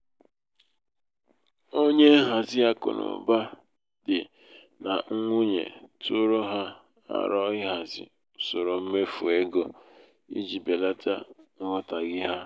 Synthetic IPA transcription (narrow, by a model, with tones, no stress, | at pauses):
o˦ɲe˦ɦa˨zɪ˦a˦kʊ̰˨nʊ̰˨ba˦ | dɪ˨ | na˨ŋ̩˦ŋʷu˦ɲḛ˨tʊ˦ɾo˦ɦa˦ | a̰˨ɾɔ˦ɪ˦ɦa˨zɪ̰˨ | so˨ɾo˨m̩˦me˦fu˨e˦ɡo˦ | ḭ˦d͡ʒi˨be˨la˦ta˦ŋ̩˦ŋɔ˦ta˨ɡɪ˦ɦa˦